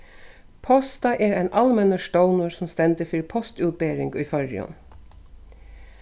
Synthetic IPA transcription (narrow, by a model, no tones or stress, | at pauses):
pʰɔst̪ɑʔeːɾæɪnʔɑlmɛnəʃʈəʊnʊɹsɔm̩st̪ɛnd̪əfɪɾpʰɔst̪ʉːt̪̚beːɾɪŋɡiːfɔɾɪ̰ɔ̰n